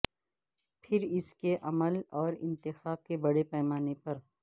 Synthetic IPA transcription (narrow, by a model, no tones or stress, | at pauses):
pʰɪɾɪskeʔɐməlɔːɾɪ̰̃nt̪ɪxaːb̚kebɐɽepɛːmaːnepɐɾ